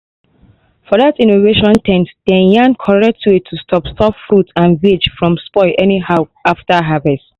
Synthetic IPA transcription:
fɔðatĩnoveʃɔ̃ntʰɛ̃ntd̥ɛ̃njãnkʰɔɹɛk̚tʰuitʰːustʰɔpstʰɔpfɹutãnwit͡ʃfɹɔ̃mspɔɪʔɛniɦaʊaftəɦavɛst

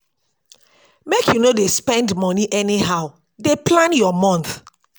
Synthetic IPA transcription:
mekjunodespɛ̃ndmɔniʔɛniɦaʊ | deplãnjɔmɔ̃nθ

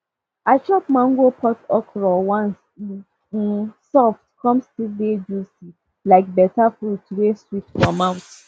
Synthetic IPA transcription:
at͡ʃɔp̚mãŋ̩ɡopʰɔtɔkɾɔwãns | sɔftkʰɔ̃mstilded͡ʒusi | laɪk̚bɛtafɾutɾeswiftfɔmaʊt

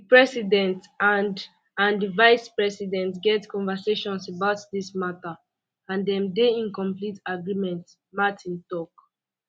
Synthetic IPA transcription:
dipɹɛsidɛ̃nt | an | ãndivaɪspɹɛsidɛ̃ntɡɛtkɔ̃nvəseʃɔ̃nsəbaʊtdismatə | ãndɛ̃mdeĩnkɔ̃mplitaɡɹimɛ̃nt | matʰĩntɔk

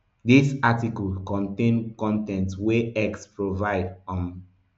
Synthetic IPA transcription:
disatikɔlkɔ̃ntẽnkɔ̃ntɛ̃ntweɛkspɹovaɪdɔ̃n

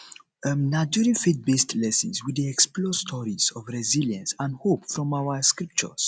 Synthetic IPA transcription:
ənad͡ʒuɹĩfit̚bestʰlɛsə̰̃nswidiɛksplɔstʰɔɹiz̥ɔvɹɛziljə̃nsãndhopfɹɔ̃mawəskɹip̚t͡ʃə̰s

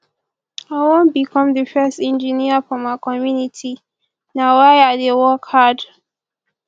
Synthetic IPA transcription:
aɪwõn̚bikʰɔ̃mðəfɜstɛ̃nd͡ʒəniəfɔmaɪkɔmjunitʰi | nawaɪaðewɔkhad

